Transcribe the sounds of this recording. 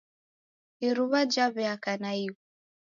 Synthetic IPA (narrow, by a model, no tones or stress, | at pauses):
iɾuβad͡ʒaβɛakanaiβu